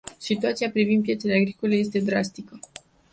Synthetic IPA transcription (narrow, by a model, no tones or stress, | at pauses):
sit̪uat̪siapɾivind̪pije̞t̪se̞leaɡɾiko̞le̞je̞s̬t̪e̞d̪ɾast̪ikə